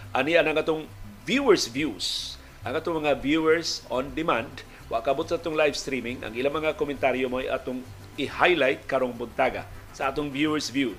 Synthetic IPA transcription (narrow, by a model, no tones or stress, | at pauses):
ʔaniʔanaŋʔat̪ʊŋvjuɛɹsvjus | ʔaŋʔaːt̪ʊŋmɐŋavjuɛɹsond̪ɪmand̪ | wa̰ʔkaʔabot̪saʔaːt̪ʊŋlajvst̪ɾimɪŋʔa̰ŋilamɐŋakomɛnt̪aɾjomoajʔa̰t̪ʊŋ | ɪhajlajt̪̚kaɾoŋbʊnt̪aɡa̰saʔaːt̪ʊŋvjuɛɹsvju